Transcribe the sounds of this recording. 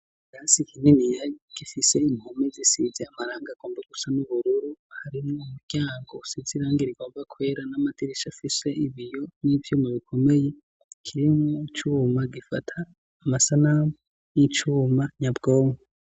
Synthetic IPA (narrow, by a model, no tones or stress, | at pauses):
ɡaːsikʰininijaɡ̥ifise̞imhomizisizeamaɾaːŋɡaɡ̥o̞ːmbaɡ̥usanuβuɾuɾuhaɾimŋoumuɾɟ̥aːŋɡo̞siziɾaːŋɡiɾiɡoːmbakʰwe̞ːɾanamatiɾiʃafise̞iβijo̞nivjomoβikʰo̞me̞je̞ | kʰiɾimŋoit͡ʃumaɡifatʰaː | masanam | nit͡ʃuːmaɲabɡoːmo